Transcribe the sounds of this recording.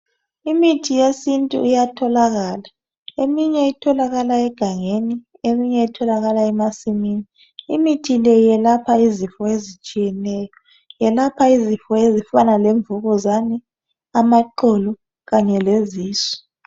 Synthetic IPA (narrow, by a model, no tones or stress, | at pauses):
imitʰijesintʼṵijatʰɔlaɣaːla | emiɲɛitʰɔlaɣalaɛɡ̥ʱaŋeni | emiɲɛitʰɔlaɣalaɛmasimini | ḭmitʰilɛjɛlapʰaizifɔezit͡ʃʼijɛnɛːjɔ | jɛlapʰaizifɔezifanaleɱbvuɣɔzani | amaǃɔlɔ | ɣaɲɛleziːsɔ̥